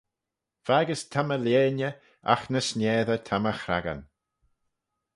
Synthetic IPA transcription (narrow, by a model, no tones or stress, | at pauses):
v̥aɡəstʰaməljeːnə | a̰xnəsnʲeːðətʰaməxɾa̰ɡa̰n